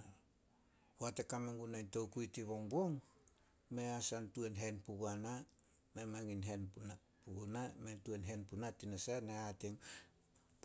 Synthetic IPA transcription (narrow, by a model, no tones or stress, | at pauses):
hoatekameŋɡunajntowkuitiβo̞ŋbo̞ŋ | me̞asantue̞nɦe̞npuɡana | me̞maŋinɦe̞npna | puɡunametuenɦe̞npunatinasaneateŋ